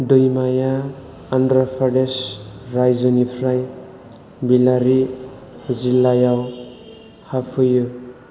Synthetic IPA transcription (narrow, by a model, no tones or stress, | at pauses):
dɯjmajaː | ndɾapʰaɖesɾajzʌnipʰɾaj | bilaɾi | zilːajaw | hapʰɯjɯ